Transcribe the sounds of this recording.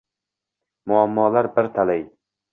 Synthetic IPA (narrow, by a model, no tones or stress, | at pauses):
mʊamːɒːlaɾbɪɾt̪ʰalaj